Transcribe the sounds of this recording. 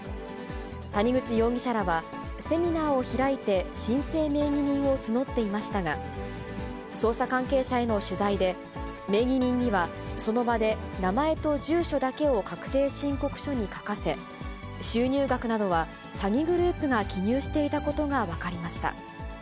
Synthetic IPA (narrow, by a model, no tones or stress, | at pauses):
t̪aɲ̟iɡɯ̟t͡ɕijo̞ːɡʲiɕaɾaβa | se̞mʲinaːo̞çiɾait̪e̞ɕĩɰ̃se̞ːme̞ːɡʲiɲ̟ĩɰ̃o̞t͡sɨno̞t̪ːe̞imaɕi̥t̪aɡa | so̞ːsakãŋke̞ːɕae̞no̞ɕɨzaid̪e̞ | me̞ːɡʲiɲ̟ĩɲ̟ːiβa | so̞no̞bad̪e̞namae̞t̪o̞ʑɨːɕo̞d̪ake̞o̞kakɯ̟̥t̪e̞ːɕĩŋko̞kɯ̟̥ɕo̞ɲ̟ikḁkase̞ | ɕɨːɲ̟ʲɨːɡakɯ̟nad̪o̞β̞a | saɡʲiɡɯ̟ɾɯ̟ːpɯ̟ɡakʲiɲʲɨːɕi̥t̪e̞it̪ako̞t̪o̞ɡaβakaɾʲimaɕi̥t̪a̰